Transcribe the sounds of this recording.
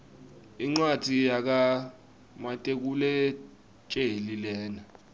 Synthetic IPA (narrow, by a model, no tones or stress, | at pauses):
iŋ͡ǀwad̥ʱijak̬a | matʼek̬ulɛ | t͡ʃʼelilɛːna